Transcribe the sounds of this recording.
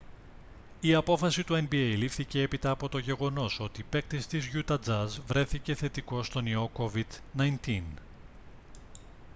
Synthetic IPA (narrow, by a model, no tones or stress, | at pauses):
iɐpo̞fɐsit̪ue̞nbiejlifθiceepit̪ɐːpo̞t̪o̞ʝe̞ɣo̞no̞so̞t̪iːpe̞k̚t̪est̪izʝut̪ɐd͡zɐzvɾe̞θice̞θe̞t̪iko̞st̪o̞nio̞ko̞vid̪nɐjnt̪in